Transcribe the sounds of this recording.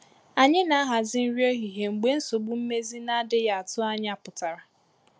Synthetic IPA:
a˨ɲɪ˦na˨˦a˦ɦa˨zɪ˦n̩˦ɾjo˦ɦi˨ɦe˨ŋ͡m̩˨ɡ͡be˦n̩˦so˨ɡ͡bu˦m̩˦me˦zi˦na˦dɪ˦ja˨a˨tʊ˦a˦ɲ˦a˦˨pʊ˨ta˨ɾa˨

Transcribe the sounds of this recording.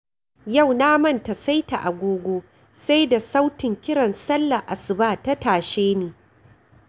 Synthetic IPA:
ja˦˨wnaː˦mɐ˦˨nta˨sa˦jta˨ʔa˨ɡʷoː˦ɡʷoː˦ | sa˦jda˨sa˦wtɪ˨ŋkʲɪ˦ɽɐ˨nsɐ˦lːa˨ʔa˨sɪ˨baː˦˨ta˦taː˨ʃeː˦neː˨

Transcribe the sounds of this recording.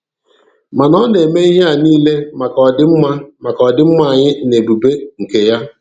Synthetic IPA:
ma˨nɔ˦ne˨me˦i˦ɦe˦a˨niː˦le˦ma˨kɔ˨dɪ˦m̩˦ma˦ma˨kɔ˨dɪ˦m̩˦ma˨ɲɪ˦ne˨bu˨be˦ŋ̩˨ke˨ja˦

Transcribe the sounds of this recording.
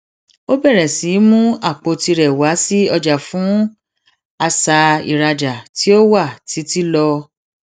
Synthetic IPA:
o˦bɛ˦˨ɾɛ˨si˨˦mũ˦a˦˨k͡po˧ti˧ɾɛ˨wa˨˦si˦ɔ˧d͡ʒa˨fũ˨˦ | a˧sa˧ḭ˨ɾa˧d͡ʒa˨ti˨˦o˦wa˦˨ti˨˦ti˦lɔ˧

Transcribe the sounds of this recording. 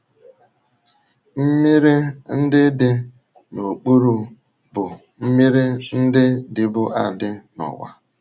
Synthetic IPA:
m̩˦mi˦ɾe˦n̩˦dɪ˦dɪ˦ | no˨k͡pu˦ɾu˦ | bʊ˨ | m̩˦mi˦ɾɪ˦n̩˦dɪ˦dɪ˨bʊ˦ʔa˨dɪ˦nɔ̰˨wa̰˨

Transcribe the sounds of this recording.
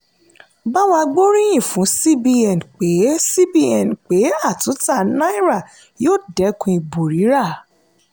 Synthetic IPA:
ba˦w̃ɔ̃˧ɡ͡bo˦ɾ̃ĩ˦j̃ĩ˦˨fũ˨˦si˦bi˧ɛ˨n˨k͡pe˨˦si˦bi˦ɛ˨n˨k͡pe˨˦a˦˨tũ˨˦ta˦˨nã˦i˦ɾa˦˨ | joː˦˨dɛ˨˦kũ˧i˧˨bo˨ɾi˨˦ɾa˦˨

